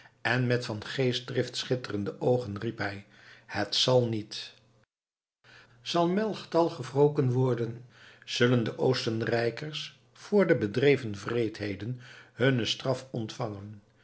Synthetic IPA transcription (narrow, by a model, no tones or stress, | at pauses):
ɛnmɛtfɑnχejs̚drɪftsχɪtərəndəʔowχənripɦɛj | hətsɑlˠnit | z̥ɑlˠmɛlˠχtɑlˠχəvrowkənʋɔɹdənz̥ɵləndəʔowstənrɛjkəɹs | fʊːɹdəbədrejvənvrejtɦejdənhɵnəstrɑfɔntfɑŋən